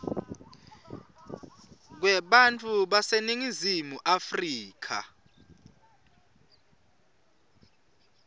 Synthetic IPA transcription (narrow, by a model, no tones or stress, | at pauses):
k̬wɛɓant͡fʰʼuɓaseniŋizimuʔafriːkʰa̰